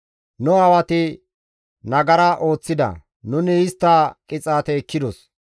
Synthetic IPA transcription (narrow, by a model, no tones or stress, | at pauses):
nʊɐwɐt̪ɪ | nɐɡɐɾɐʔo̞ːt͡sːɪd̪ɐ̰ | nʊnɪɪst̪ːɐkʼɪt͡sʼaːt̪ɛːkːɪd̪ɔs